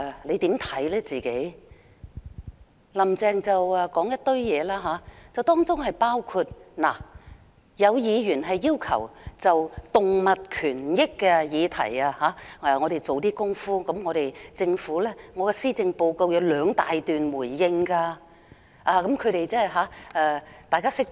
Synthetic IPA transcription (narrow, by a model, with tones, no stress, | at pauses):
ɛ˨le˨˧jt̪iː˨˥mt̪ʰɐ˨˥jlɛː˥t͡siː˨˩ke˨˥j | lɐ˨˩mt͡sɛː˨˧ŋt͡sɐ˨wɐ˨˧kɔː˨˥ŋjɐ˥t̚t̪ɵ˧ɥjɛː˨˧laː˥ɦaː˨˧˥t͡sɐ˨wt̪ɔː˥ŋt͡sʊ˥ŋɦɐ˨jpaː˥wkʰu˧t̚na̰ː˨˩ | jɐ˨˧wjiː˨˧jy˨˩nɦɐ˨jːiː˥wkʰɐ˨˩wt͡sɐ˨wt̪ʊ˨ŋmɐ˨t̚kʰyː˨˩njɪ˥kːɛ˧jiː˨˧t̪ʰɐ̰˨˩jaː˧haː˨˥ɛː˨˧ŋɔ˨˧ɾe˨jt͡so˨wt̪iː˥kʊ˥ŋfuː˥kɐ˨˥mŋɔː˨˧ɾe˨jt͡sɪ˧ŋfuː˨˥lɛː˥ŋɔː˨˧kɛ˧siː˥t͡sɪ˧ŋpo˧wko˧wjɐ˨˧wlœː˨˧ŋt̪aː˨jt̪yː˨nmuː˨˩jːɪ˧ŋkaː˧ | ʔaː˧kɐ˨˥mkʰɵ˨˧ɥɾe˨jt͡sɛː˥ɦaː˨˥ʔɛː˧t̪aː˨jkaː˥sɪ˥k̚